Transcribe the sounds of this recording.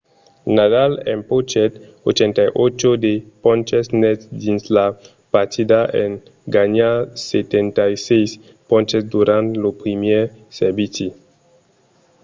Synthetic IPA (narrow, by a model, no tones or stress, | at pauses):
nadalempot͡ʃet̪ | ot͡ʃent̪ajʔot͡ʃod̪epõnt͡ʃesnɛsd̪insla | paɾt̪ʰid̪aʔḛn | ɡaɲaset̪ent̪ajsejs | põnt͡ʃesd̪uɾant̪lopɾimeɾseɾbit͡si